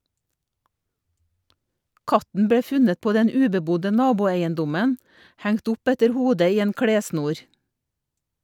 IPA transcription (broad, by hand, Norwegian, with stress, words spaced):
ˈkɑtn̩ ˈbɽeː ˈfʉnət ˈpoː ˈdɛn ˈʉːbəˌbʊdə ˈnɑːbʊeɪənˌdʊmən ˈhæŋt ˈʊp ˈɛtəɾ ˈhuːdə ˈiː ˈeːn ˈkɽeːˌsnuːɾ